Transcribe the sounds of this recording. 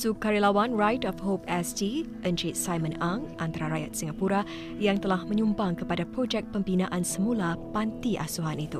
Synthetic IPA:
sukaɾilawanɹajtɔfhopɛsdi | ʔənd͡ʒɾit̪̚sajmə̃naŋʔant̪aɾaɾajat̪̚siŋapuɾa | jaŋt̪əlahmə̃ɲũmbaŋkəpadapɾod͡ʒɛk̚pəmbinaʔansəmũlapant̪iʔa̰suɦanit̪u

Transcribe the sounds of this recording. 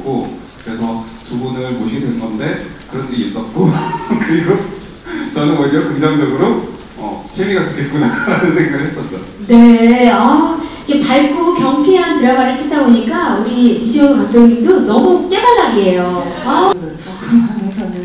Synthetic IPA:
k͈o | kɯɾe̞sʰʌtubunɯɭmoɕʰiɡedwe̞nŋɡʌnde̞kɯɾʌndeis͈ʌt̚k͈okɯɾiɡo | t͡ɕʌnɯnwʌʎːʌkɯŋd͡ʑʌŋd͡ʑʌɡɯɾo | ʌ̰tʰemiɡat͡ɕokʰe̞t̚k͈unaɾanɯnsʰe̞ŋɡaɡɯɭɦes͈ʌt̚t͡ɕ͈o | ne̞ʌiɡe̞paɭɡokjʌŋkʰeɦantɯɾʌɡaɾetʰet̚t͈aboɲik͈auɾiid͡ʑokat͈oŋindonʌmuk͈e̞naɭːaɾiɦe̞jo | akʌt͡ɕʰokɯaŋesʰʌnɯn

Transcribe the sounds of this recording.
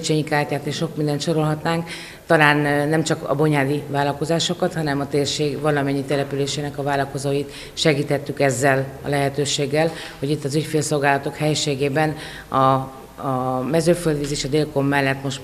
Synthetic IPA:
t͡ʃeːɲikaːrcaːt̪eːʃʃo̞kmind̪ɛnt̪ʃo̞ɾo̞lɦɒt̪naːŋk | t̪ɒlaːnnɛmt͡ʃɒkɒ̰bo̞ɲaːd̪ivaːlɒko̞zaːʃo̞kɒt̪hɒnɛmɒt̪eːrʃeːɡvɒlɒmɛɲːit̪ɛlɛpyleːʃeːnɛkɒvaːlɒko̞zoːjit̪ | ʃɛɡiːt̪hɛt̪ːykɛzːɛlɒ̰lɛɦɛt̪øːʃeːɡːɛl | ho̞ɟit̪ːɒzycfeːlso̞lɡaːlɒt̪o̞khɛjɛʃeːɡeːbɛn | ɒ | mɛzøːføld̪izeːʃɒd̪eːlko̞mːɛlːɛt̪mo̞ʃ

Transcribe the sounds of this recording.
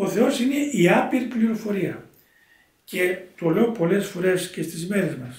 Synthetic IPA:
o̞θe̞o̞sine̞iɐpiɾipliɾo̞fo̞ɾiɐ | ce̞t̪ole̞opo̞le̞sfo̞ɾe̞sce̞st̪izme̞ɾe̞zmɐs

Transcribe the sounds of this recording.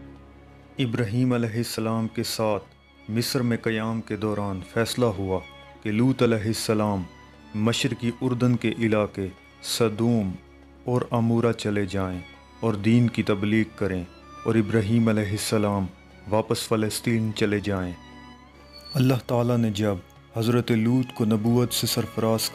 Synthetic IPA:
ɪbɾaːɦiːmɐlɛːɦɪsːəlaːmkesaːt̪ʰ | mɪsəɾmẽkɐjaːmked̪ɔːɾaːnfɛːslaɦʊa | keluːt̪əlɛːɦɪsːəlaːmː | ɐʃəɾkiʔʊɾd̪ənkeʔɪlaːke | sɐd̪uːm | ɔːɾamuːɾat͡ʃɐled͡ʒaːẽ | ɔːɾd̪iːnkit̪ɐbliːɡkɐɾẽ | ɔːɾɪbɾaːɦiːmɐlɛːɦɪsːəlaːm | ʋaːpəsfɪləst̪iːnt͡ʃɐled͡ʒaːẽː | ɐlːaɦt̪aːlaned͡ʒɐb | hɐzɾət̪eluːt̪konɐbuːət̪sesɐɾfəɾaːs

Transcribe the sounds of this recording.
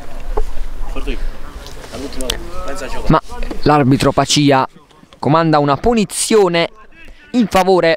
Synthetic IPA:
malarbit̪ɾopat͡ʃiːa | kʊmand̪aunapunit̪sːjɔːnɛ | iɱfavoːɾe

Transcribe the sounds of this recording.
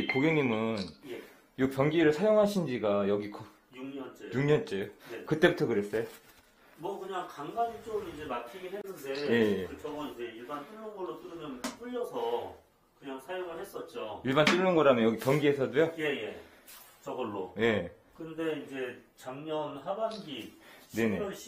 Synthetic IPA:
koɡeŋɲimɯnje | jok̚pjʌŋɡiɾɯɭsʰajoŋɦaɕʰind͡ʑiɡajʌɡiko | juŋɲʌnt͡ɕ͈ejuŋɲʌnt͡ɕ͈ejoekɯt͈e̞butʰʌkɯɾes͈ejo | mwʌkɯɲaŋkaŋɡad͡ʑit͡ɕ͈oɡɯmind͡ʑe̞makʰiɡiɦenːɯnde̞je̞jeɯt͡ɕʌɡʌind͡ʑe̞iɭbant͈ɯɭːɯnɡʌɭːot͈ɯɾɯmjʌnp͈ɯʎːʌsʰʌ | kɯɲaŋsʰajoŋɯɭhes͈ʌt̚t͡ɕ͈oiɭbant͈ɯɭːɯnɡʌɾamjʌnjʌɡipjʌŋɡiɦesʰʌdojoje̞je̞ | t͡ɕʌɡʌɭːoje̞ | kɯnde̞ind͡ʑe̞t͡ɕaŋɲʌnɦabanɡine̞ne

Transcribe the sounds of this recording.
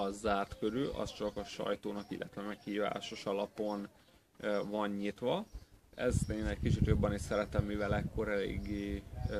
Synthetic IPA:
ɒzaːrt̪køɾyːʔɒ̰st͡ʃɒkɒʃɒ̰jt̪oːnɒkḭlːʔɛt̪ʋɛmɛkhiːva̰ːʃo̞ʃɒlɒpo̞n | vɒɲɲit̪ʋɒɛ̰zeːnɛckit͡ʃit̪jo̞bːɒniʃsɛɾɛt̪ɛmːivɛlɛkːo̞ɾɛlḛːɡːeː

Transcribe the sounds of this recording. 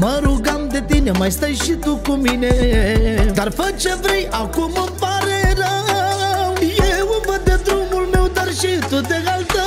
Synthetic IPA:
mɐɾuɡamd̪et̪inemɐjst̪ɐjɕit̪ukumine | t̪ɐɾfɐt͡ʃepɾiʔakumɐpaɾeɾa | jeʋuməd̪ʱjed̪ɾumulmewd̪ɐɾɕit̪ut̪eɡalt̪ə

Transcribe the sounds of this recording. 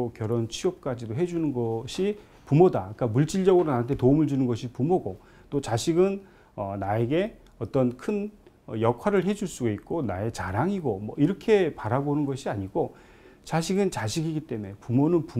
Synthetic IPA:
okjʌɾont͡ɕʰiʌp̚k͈ad͡ʑidoɦe̞d͡ʑunɯnɡʌɕʰi | pumodaik͈amuɭt͡ɕ͈iɭd͡ʑʌɡɯɾonanɯntʰe̞toumɯɭd͡ʑunɯnɡʌɕʰipumoɡo | t͈ot͡ɕaɕʰiɡɯn | ʌnae̞ɡe̞ | ʌt͈ʌnkʰɯn | ʌjʌkʰwaɾɯɭɦe̞d͡ʑuɭs͈uɡait̚k͈onae̞t͡ɕaɾaŋiɡomwʌ̰iɾʌkʰe̞paɾabonɯnɡʌɕʰiaɲiɡo | t͡ɕaɕ̬ʰiɡɯnt͡ɕaɕʰiɡiɡit͈e̞me̞pumonɯnpu

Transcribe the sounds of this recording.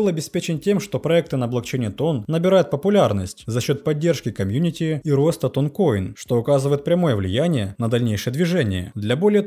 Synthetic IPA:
ɨlˠɐbʲɪspʲet͡ɕɪntʲe̞mʂt̪o̞pɾɐɛk̚t̪ɨnəːblˠɐkt͡ɕenʲɪjət̪o̞nːəbʲɪɾajʊt̪̚pəpʊlʲarnəsʲttʲzɐɕːo̞t̪̚pɐdʲːe̞rʂkʲɪkɐmʲjunʲɪtʲɪiɾo̞st̪ət̪onko̞jɪnʂt̪o̞ʊkazɨvəjɪt̪̚pɾʲɐmo̞jəvlʲɪjænʲɪjənəd̪ɐlʲnʲejʂɨjəd̪vʲɪʐɛnʲɪjə̰d̪lʲɐbo̞lʲɪjə

